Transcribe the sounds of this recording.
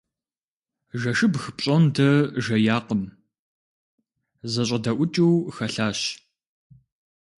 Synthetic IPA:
ʒɐʃɨbxɨpʼɕʼontʰɐʒɐjaːqəm | zɐɕ̬ʷʼɐdɐʔʷʊt͡ʃʼiwxɐɬaːɕ

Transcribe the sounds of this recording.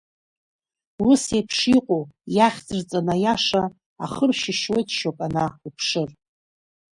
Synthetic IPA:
wʊsepʰʂiqʷʼojaχʲd͡zɨrt͡sʼanajaʂa | a̰χərʃɪʃwejtʰʼʃopʼanaupʰʂɨr

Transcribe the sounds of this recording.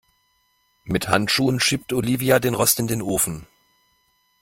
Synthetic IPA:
mɪtha̰ntʃuːənʃiːp̚tʔoliːviadeːnʁɔstɪndeːnʔoːfn̩

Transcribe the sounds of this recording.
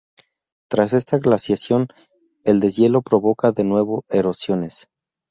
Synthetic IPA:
t̪ɾase̞st̪aɣlasjasjo̞n | e̞ld̪e̞zje̞lo̞pɾo̞βo̞kaðe̞nwe̞βo̞e̞ɾo̞sjo̞ne̞s

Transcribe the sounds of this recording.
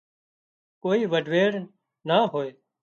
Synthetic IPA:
koːiːʋəɖʱʋeːɽ | naːɦoːeː

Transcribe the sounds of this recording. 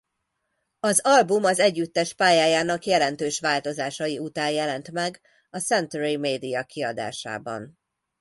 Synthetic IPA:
ɒzɒlbumɒzɛɟːyt̪ːɛʃpaːjaːjaːnɒkjɛlɛn̪t̪øːʃʋaːlt̪o̞zaːʃɒjiut̪aːnjɛlɛnt̪mɛɡ | ɒsɛnt̪yɾimeːd̪ijɒkiɒd̪a̰ːʃa̰ːbɒ̰n

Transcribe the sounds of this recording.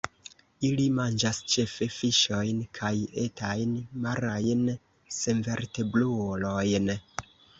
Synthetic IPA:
ilimand͡ʒast͡ʃe̞fe̞fiʃo̞jnkʰaje̞tʰajnmaɾajn | se̞nveɾte̞bluolo̞jn

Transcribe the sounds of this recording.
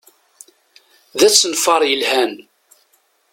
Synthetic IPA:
ðæt͡sːənfɑɾˤjəlhæn

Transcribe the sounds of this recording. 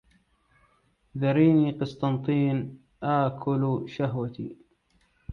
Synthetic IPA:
d̪ɑɾiːniːqɨsˤt̪ˤɑnt̪ˤiːn | ʔaːkʰʊlʃaɦwat̪ḭː

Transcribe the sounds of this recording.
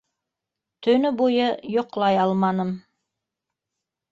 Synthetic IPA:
t̪ɵ̆nɵbujɤjŏqlˠɑjɑlˠmɑnɤm

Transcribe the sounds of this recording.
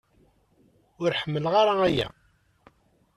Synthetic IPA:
ʊɾħəmːəlʁaɾaæjæ̰

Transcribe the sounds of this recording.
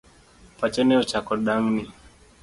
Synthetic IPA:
pat͡ʃɛnɛɔt͡ʃakɔɗaŋni

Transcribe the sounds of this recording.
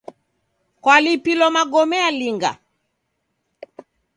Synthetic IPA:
kwalipilɔmaɡɔmɛaliŋɡa̰

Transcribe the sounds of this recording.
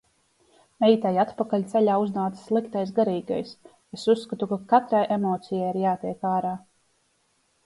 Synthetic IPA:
neit̪ajat̪pakalʲt̪seʎʲaːuznaːt̪slˠikt̪ajs̬ɡaɾiːɡa̰js | esusːkat̪ukakat̪ɾajʔemɔːt̪sijajiɾjaːt̪iɛkaːɾaː

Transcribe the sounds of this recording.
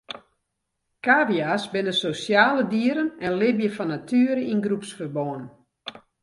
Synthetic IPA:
kaːʋiasbɪnəsosjaːlədiəɾənɛnlɪbjəfɔnatʰyəɾəinɡrupsfərboən

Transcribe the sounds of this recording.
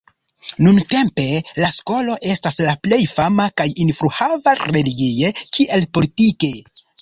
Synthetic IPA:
nunte̞mpe̞lasko̞lo̞ʔe̞staslaple̞jfamakajinfɾuhavaɾe̞liɡie̞kiʔe̞lpo̞litike̞

